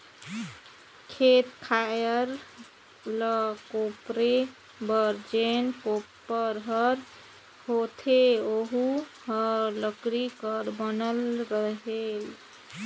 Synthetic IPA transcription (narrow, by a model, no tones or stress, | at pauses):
kʰet̪kʰajəɾ | ləkopɾe | bəɾd͡ʒenkopːəɾɦəɾ | hot̪ʰeoɦuhʌɾləkɾikəɾbənəlɾəɦel